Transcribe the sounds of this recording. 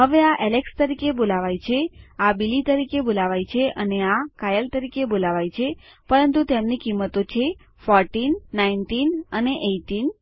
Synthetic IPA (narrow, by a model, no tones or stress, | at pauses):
ɦəʋeaʔɛlekst̪əɾikebolaʋajt͡ʃʰeabilit̪əɾikebolaʋajt͡ʃʰeʔəneakajəlt̪əɾikebolaʋajt͡ʃʰepəɾənt̪ut̪emnikimːət̪ot͡ʃʰe | fɔɾʈinːainʈinəneʔeʈin